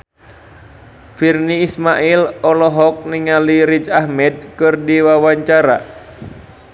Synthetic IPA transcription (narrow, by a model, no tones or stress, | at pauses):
firniːsmaʔilɔlɔɦɔk̚niŋaliɾit͡ʃahmɛd̪̚kɨrdiwawaɲt͡ʃaɾa̰